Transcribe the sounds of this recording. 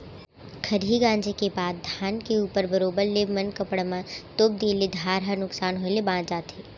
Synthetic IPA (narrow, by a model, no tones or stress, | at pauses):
kʰɐɾɦiɡãːnd͡ʒekebaːd̪d̪ʱaːnkeuːpəɾbəɾoːbəɾleːmɐnkɐpɽmãt̪oːb̚d̪eːled̪ʱaːɾɦənʊksaːnɦoelebãːd͡ʒaːt̪eː